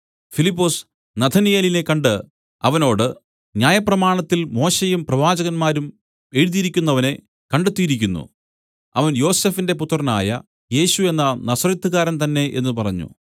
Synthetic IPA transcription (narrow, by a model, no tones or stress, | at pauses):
filipːoːs | nɐt̪ʰɐnijeline̞kɐɳɖɨ | ɐʋɐno̞ːɽɨ | njaːjɐprɐmaːɳɐt̪ːilmo̞ːɕejumprɐʋaːd͡ʑɐɣɐnmaːɾum | e̞ɻuðijiɾikʲːunːɐʋɐne̞ | kɐɳɖet̪ːijiɾikʲːunːṵ | ɐʋɐnjo̞ːse̞ːfinde̞put̪ːrɐna̰ːjɐ | je̞ːɕue̞nːɐnɐsɐrit̪ːuɣaːɾɐnt̪ɐnːe̞ʔe̞nːupɐrɐɲːṵ